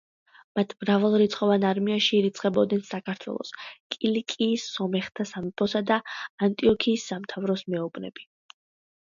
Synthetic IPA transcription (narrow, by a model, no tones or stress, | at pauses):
mat̪ʰmɾavalˠɾit̪sʰʼχʼɔvanaɾmiaʃiːɾit̪sʰʼqʼɛbɔd̪nɛnsakʰaɾt̪ʰwɛ̰lˠɔ̰skʼilikʼiːsːɔmɛχt̪ʰasamipʰɔsad̪aant̪ʼiɔkʰiːsːamt̪ʰavɾɔsmɛɔbnɛ̰bi